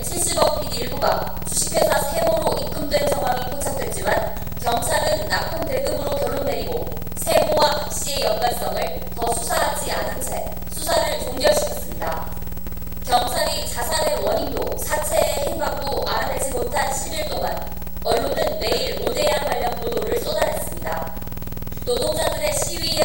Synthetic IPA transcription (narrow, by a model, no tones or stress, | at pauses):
t͡ɕʰiɭɕ͈ibʌpʰiniɭbuɡa̰ | t͡ɕuɕʰi̥pʰe̞sʰʌsʰe̞moɾoik͈ɯmdwe̞nsʰaŋɦwaŋipʰjot͡ɕʰak̚t͈we̞t͡ɕ͈iman | kjʌŋsʰanɯnːapʰɯnte̞ɡɯmɯɾokjʌɭːonːe̞ɾiɡo | sʰe̞mowatak̚ɕ͈ie̞jʌnɡaɭs͈ʌŋɯɭ | tʌsʰusʰaɦad͡ʑia̰nɯnt͡ɕʰe̞ | sʰusʰaɾɯɭt͡ɕoŋɡjʌɭɕʰi̥kʰes͈ɯmɲida | kjʌŋsʰaɾit͡ɕasʰanewʌɲindo̰ | sʰat͡ɕʰe̞ːçimbak͈oʔa̰ɾane̞d͡ʑimotʰanɕʰiɾiɭt͈oɡa̰n | ʌɭːonɯnːe̞iɾmod͡ʑe̞jaŋɡwaʎːʌnpodoɾɯɭs͈odaɾɦes͈ɯmɲida | nodoŋd͡ʑadɯɾe̞ɕʰiɥi